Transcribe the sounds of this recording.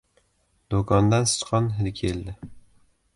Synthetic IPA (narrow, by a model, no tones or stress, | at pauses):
d̪okʰɒnd̪ansɪ̥t͡ʃqʰɒnɦɪlkʲʰeld̪ɪ